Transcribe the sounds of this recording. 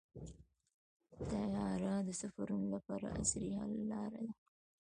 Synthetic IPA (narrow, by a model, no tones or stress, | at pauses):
t̪ajɑɾad̪əsafaɾunolapɑɾa̰ʔa̰sɾiha̰lːɑɾad̪a